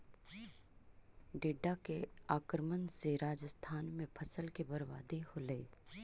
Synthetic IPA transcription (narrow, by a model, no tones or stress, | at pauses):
ɖeːɖakeaːkɾmənzeːɾaːd͡ʒəst̪ʰaːnmẽpʰəsəlkebəɾʋa̰ːd̪eholeeː